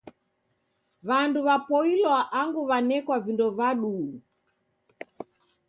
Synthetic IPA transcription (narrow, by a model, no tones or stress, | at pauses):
βanduβapɔilwaʔaŋɡuβanɛkwavindɔvaɗuː